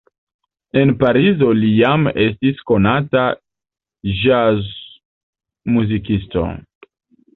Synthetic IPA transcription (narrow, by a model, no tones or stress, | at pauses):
enpaɾizo̞lijame̞stisko̞nata | ʒaz | muzik̬isto̞̰